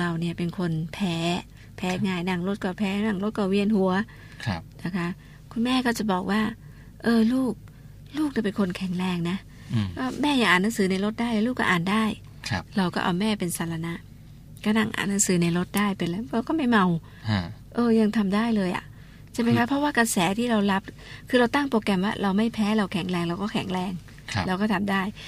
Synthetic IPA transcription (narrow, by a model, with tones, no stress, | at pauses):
ɾa˧wni˥˩ɐpe˧nkʰo˧npʰɛː˨˦˥ | pʰɛː˦˥ŋaː˧˩jna˧˩ŋɾo˧˦˥t̪̚kɔː˧˩wpʰɛː˦˥na˧˩ŋɾo˦˥t̪̚kɔː˧˩wi˧ənɦu˩˦ɐ | kʰna˦˥kʰa˦˥ | kʰu˧nmɛː˥˩kɔː˥˩wt͡ɕa˨˩bɔː˨˩k̚waː˥˩ | ʔɤː˧luː˥˩k̚ | luː˥˩k̚ni˧˩pe˧nkʰo˧nkʰɛ˨˩˦ŋɾɛː˧˩ŋna˦˥ | kɔː˥˩mɛː˥˩ja˨˩ŋʔaː˨˩nːa˨˦˥ŋsɯː˨˩˦na˧jlɾo˦˥t̪̚daː˥˩jlaː˧˦luː˥˩kːɔ̰ː˥ʔaː˨˩ndaː˥˩jʰ | ɾa˧wkɔː˥˩ʔa˧wmɛː˥˩pe˧nsaː˧˩la˧na˦˥ʔ | ka˧˥˩na˧˩ŋʔa̰ː˨˩nːa˨˦ŋsɯː˩˦na˧jɾo˦˥t̪̚daː˥˩jpe˧nla˧˩˧kɔː˥˩ma˥˩jma˧w | ʔɤː˧ja˧ŋt̪ʰa˧mdaː˥˩jlɤː˧jʔa̰˨˩ʔ | t͡ɕʰma˧jkʰa˦˥pʰɾɔ˦˥waː˥˩ka˧sɛː˩˦t̪ʰiː˥˩ɾa˧wla˦˥p̚ | kʰɯː˧ɾa˧wt̪a˥˩ŋpɾoː˧kɛ˧mwaː˥˩ɾa˧wma˥˩jpʰɛː˦˥ɾa˧wkʰɛ˨˩˦ŋɾɛː˧ŋɾa˧wkɔː˥˩kʰɛ̰˨˩˦ŋɾɛː˧ŋ˧ | laː˧wkɔː˥˩t̪ʰa˧mdaː˥˩j